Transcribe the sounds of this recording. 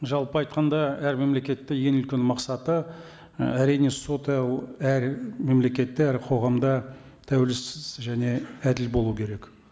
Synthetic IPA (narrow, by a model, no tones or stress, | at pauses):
ʒɑlˠpəɑjt̪̚qɑnd̪ɑæɾme̞mle̞kʲe̞t̪ːɪje̞nʏlkʲenmɑqsɑt̪ə | æɾijne̞so̞t̪ælˠæɾme̞mle̞kʲe̞t̪ːeæɾqʰo̞ʁɑmd̪ɑ | t̪ʰæwelɪsɪzʒæne̞æd̪ɪlbo̞lˠuwkʲʰeɾe̞k